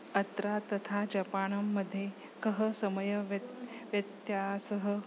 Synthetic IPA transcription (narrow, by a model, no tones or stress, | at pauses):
ɐt̪ɾat̪ɐt̪ʰad͡ʒɐpaːɳɐmːɐd̪ʱːje | kɐɦəsɐmɐjɐʋʋjɐt̪jaːsɐɦə